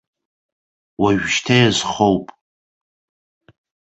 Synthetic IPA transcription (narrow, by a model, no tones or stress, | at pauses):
waʒᶣʃtʰajazχowpʼ